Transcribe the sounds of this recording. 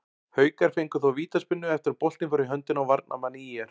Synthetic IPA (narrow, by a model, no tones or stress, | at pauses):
hœːɥkaɾ̥fejŋkʏθɔwviːt̪aspʏnːʏɛft̪ɪɾpol̥t̪nɪfɔɾɪɦœnt̪ɪnawvaɾt̪̚nʔa̰maniɛɾ̥